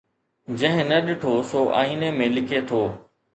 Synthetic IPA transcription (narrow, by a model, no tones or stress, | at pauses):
d͡ʑɐ̃ɦɪ̃nɐɗɪʈʰosoːʔa̰ːiːnemẽlɪkʰet̪ʰoː